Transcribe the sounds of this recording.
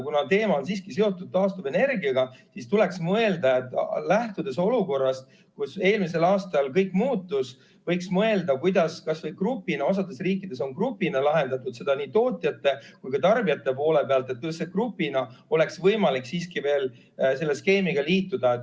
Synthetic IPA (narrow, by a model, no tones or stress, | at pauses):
kunɑt̪e̞ːmɑonsiːskise̞o̞t̪ːˑud̪̚t̪ɑːst̪uve̞ne̞rɡiɑɡɑsist̪ule̞ksmɤe̞ld̪̥ɑe̞t̪ːˑlæht̪ud̪̥e̞so̞luko̞rːɑst̪ | kuse̞ːlmise̞lɑːst̪ɑlkɤjkmuːt̪ːˑus | vɤjksmɤe̞ld̪ɑkujd̪̥ɑskɑsvɤjkrupːˑinɑo̞s̬ɑd̪e̞sriːkːˑid̪̥e̞s̬o̞nkrupːinɑlɑɦe̞nd̪ɑt̪ːˑud̪se̞d̪̥ɑnit̪o̞ːt̪ʲˑjɑt̪ːe̞kujkɑt̪ɑrbiɑt̪ːe̞po̞ːle̞peɑlt̪e̞t̪̚kusekrupːˑinɑo̞le̞ksvɤjmɑliksiːskive̞ːl | se̞lːe̞ske̞ːmiɡ̥ɑliːt̪ːˑud̪ɑet̪ː